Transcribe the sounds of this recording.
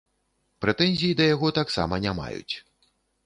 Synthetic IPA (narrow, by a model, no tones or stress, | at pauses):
pɾɛt̪ɛnʲzʲijid̪ɐjaɣɔt̪aksa̰mɐnʲama̰jṵt͡sʲ